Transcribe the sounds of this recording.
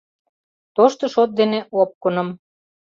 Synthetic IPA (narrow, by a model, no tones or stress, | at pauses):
t̪oʃt̪ɤ̆ʃot̪̚d̪eneʔop̚kɤ̆nɤ̆m